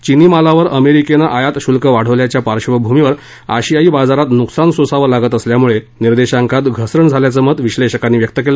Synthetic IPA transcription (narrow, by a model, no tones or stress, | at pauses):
t͡ɕiniːmalaʋəɾəmeɾikenaʔajat̪ɕulkəʋaɽ̤əʋljat͡ɕjapaɾɕʋəbʱumiʋəɾ | a̰ɕijaiːbad͡zaɾat̪nuksansosaʋəɾlaɡət̪əsljamuɭe | niɾd̪eɕaŋkat̪ɡʱəsɾəɳd͡zʱaljat͡səmət̪ʋiɕleɕəkanːiːʋjək̚t̪əkelə